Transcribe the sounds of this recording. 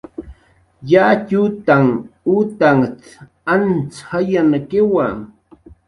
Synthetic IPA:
jat͡ʃut̪aŋut̪aŋt͡s | ant͡shajanakɪwa

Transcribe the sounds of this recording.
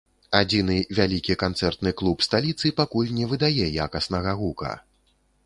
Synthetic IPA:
ad͡zʲinɨvʲalʲikʲikant̪sɛrt̪nɨklˠupst̪alʲit̪sɨpakulʲnʲɛvɨd̪ajɛja̰kɐsnɐɣɐɣukɐ̰

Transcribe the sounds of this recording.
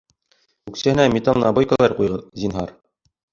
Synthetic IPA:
ʉksæ̆hɘ̆næmʲet̪alˠnɑbojkɑlˠɑɾqujʁɤzinɦɑɾ

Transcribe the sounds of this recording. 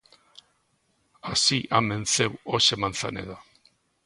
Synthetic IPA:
asiʔame̞nsewosemant͡sa̰nḛða

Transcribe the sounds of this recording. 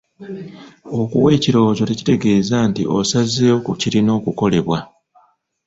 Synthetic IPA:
o̞kuwe̞ːciɾo̞ːzo̞teci̥te̞ɡe̞ːzantḭʔo̞̰sazeokuciɾino̞ːkuko̞le̞βwa

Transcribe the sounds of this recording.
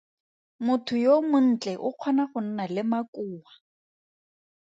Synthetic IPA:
mʊtʰʊjomʊn̩t͡ɬʼɛʔʊq͡χʰwɔnaχʊn̩nalɪmakʼuːwa

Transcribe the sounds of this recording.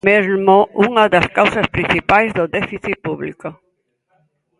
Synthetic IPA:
ezmoʔuŋɐðɐskawsɐspɾin̟θipajzðʊðɛfiθipuβliko

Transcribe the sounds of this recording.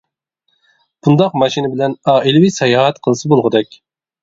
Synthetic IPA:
b̥und̪ɑqmɑʃinɪbɪlɛnɑilwisɛjɑːɦɛt̪qʰənɨsɨbolˠʁəd̪ɛkʲ

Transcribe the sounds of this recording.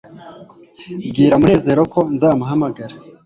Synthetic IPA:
bɡiːɾamune̞ːze̞ːɾo̞ko̞nzaːmaɦamaɡaɾa

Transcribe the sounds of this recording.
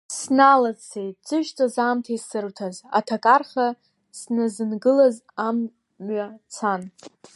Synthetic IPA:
snalat͡sʰejt̚d͡zɨʒt͡sʼazamtʰaisɨrtʰaza̰tʰakʼarχa | snazɨnɡɨlaz | am | ɥat͡sʰan

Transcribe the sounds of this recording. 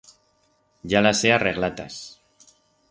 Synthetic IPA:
ʝalaseareɣlat̪as

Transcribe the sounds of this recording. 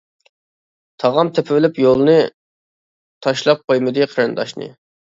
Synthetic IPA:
t̪ʰɑʁɑmt̪ʰepʰɪvɪlɪpjolˠɨnɨ | t̪ʰɑʃlˠɑp̚qʰojmɨd̪ɨqʰəɾɨnd̪ɑʃnɨ̰

